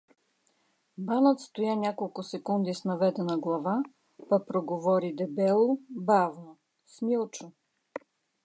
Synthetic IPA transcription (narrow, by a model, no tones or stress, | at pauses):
banət̪st̪ojanʲakolˠkʊsɛkund̪isnɐvɛd̪ɛnəɡlˠɐva | pɐpɾoɡovɔɾid̪ɛbɛlˠobavno | smilˠt͡ʃo